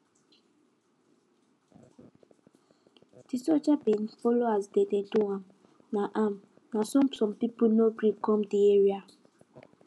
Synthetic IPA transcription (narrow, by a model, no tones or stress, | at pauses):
d̥isɔt͡ʃabinfɔloazdededuam | naʔam | nasɔ̃msɔ̃mpipunoɡɾikɔ̃mdieɹia